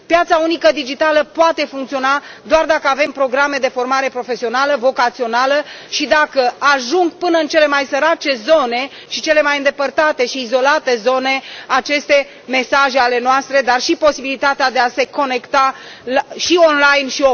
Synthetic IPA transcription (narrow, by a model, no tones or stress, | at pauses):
pjat̪saunikəd̪id͡ʒit̪aləpoat̪e̞fuŋkt̪sio̞na | d̪oard̪akəave̞mpɾo̞ɡɾame̞d̪e̞fo̞rmaɾe̞pɾo̞fe̞sio̞naləvo̞kat̪sio̞naləʃid̪akəaʒuŋɡpɨnəɨnt͡ʃe̞le̞majsəɾat͡ʃe̞zo̞ne̞ | ʃit͡ʃe̞le̞majɨnd̪e̞pərt̪at̪e̞ʃiːzo̞lat̪e̞zo̞ne̞at͡ʃe̞st̪e̞ | me̞saʒe̞ale̞noast̪ɾe̞d̪arʃipo̞sibilit̪at̪ead̪e̞ase̞ko̞ne̞kt̪alaʃio̞nlajnʃio